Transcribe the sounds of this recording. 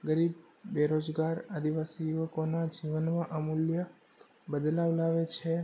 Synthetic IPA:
ɡəɾibː | eɾod͡ʒɡaɾad̪iʋasijuʋəkonad͡ʒiʋənmãʔamuljə | bəd̪laʋlaʋet͡ʃʰe

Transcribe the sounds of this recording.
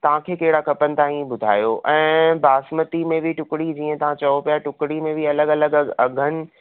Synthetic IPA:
t̪ɐʋ̤ãkʰeːkɐɦɪɽakʰɐpənɪ̆t̪aːĩbʊd̪ʱa̰ːjoʔɛ̃ːbaːsmət̪imẽbʱiʈʊkɪɽid͡ʑiːə̃t̪ɐʋ̤ãt͡ɕɐopijaʈʊkɽimẽbʱiɐləɡɐləɡɐɡʱənɪ̆

